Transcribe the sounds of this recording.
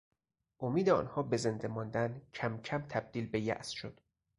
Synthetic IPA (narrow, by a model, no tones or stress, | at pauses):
ʔomiːd̪eɒ̰ːnhɒːbe̞ze̞nd̪emɒːnd̪æncʰæmcʰæmt̪ʰæb̚d̪̥iːlbe̞jæ̰ʔsʃod̪̥